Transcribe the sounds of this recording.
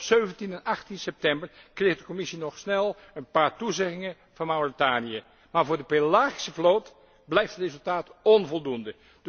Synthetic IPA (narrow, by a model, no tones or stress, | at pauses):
søɥvəntinanɑχtinsɛp̚tɛmbəɹkrexdəkomɪsinɔχsnɛlˠ | ənpaːɹtuzɛɣɪŋə | vɑnmawritaːnijə | maːɹvʊːɹdəpelaːɣi̥səvloːt | blɛjftətrezɵlˠtaːtɔnvɔlˠdundə | d